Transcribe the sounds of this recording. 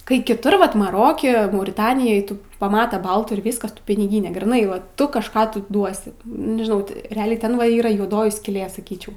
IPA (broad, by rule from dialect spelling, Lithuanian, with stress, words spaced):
kɐɪ kʲɪˈtʊr ˈʋɐt mɐˈroːkʲɛ mɐʊrʲɪˈtɑːnʲɪjoːj ˈtʊ pɐˈmɑːtɐ ˈbɐlˠtuː ɪr ˈʋʲiːskɐs ˈtʊ pʲɪnʲɪˈɡʲiːnʲeː ɡrʲiːˈnɐɪ ʋɐ ˈtʊ kɐʃˈkɑː tʊ ˈduɔsʲɪ nʲɛʒʲɪˈnɐʊ tʲɪ rʲɛˈɑːlʲɛɪ ˈtʲɛn ʋɐ ˈiːrɐ juɔˈdoːjɪ sʲkʲiːˈlʲeː sɐˈkʲiːt͡ʃʲɛʊ